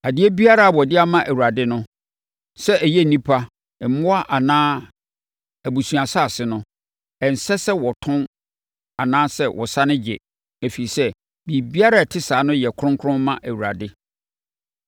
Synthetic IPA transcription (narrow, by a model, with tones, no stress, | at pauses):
a˨dɪ˦ɛ˦bi˦a˦ɾa˦a˨wɔ˨dɪ˦a˦mã˦ʔæ˨wu˨ɾa˨dɪ˦nʊ̃˦ | sɛ˦ʔæ˨jɛ˦˨nĩ˦pʰa˦ | ɛ˨˦mʊ̃˦a˦ʔa˨nãː˦ | æ˨bu˨su˨a˨sa˦˨sɪ˨nʊ̃˦ | ɛ˨n̩˨sɛ˦sɛ˦wɔ˨tʰʊ̃˦n | a˨nãː˦sɛ˦wʔɔ̰˨sa˦nɪ̃˦d͡ʑɪ̰˨ | æ˨fi˨i˨sɛ˦ | bi˨bi˦a˦ɾa˦˨tʰɪ˦saː˨˦nʊ̃˦jɛ˨kʰʊ˦ɾʊ̃˦ŋkʰʊ˦ɾʊ̃˦m˦mã˦ʔæ˨wu˨ɾa̰˨dɪ˦